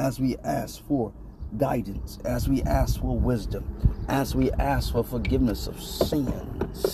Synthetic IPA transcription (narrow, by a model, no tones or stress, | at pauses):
ɨzwiʔæsfə˞ | ɡaɪdⁿn̩sɨzwiʔæsfə˞wɪzdɨ̃mʔɨzwiʔæsfə˞fə˞ɡɪvnɨsʌ̰v̥sɪ̃nz̥